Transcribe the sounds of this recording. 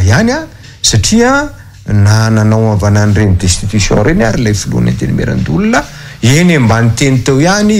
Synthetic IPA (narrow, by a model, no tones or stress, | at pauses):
jana | saʈ͡ʂiə | nananawavananirenid̪est̪it̪usjõ̰nɾenaɾilajfulṵna̰nt̪enimḛɾa̰nd̪ulunə | enembanit̪enit̪ewiani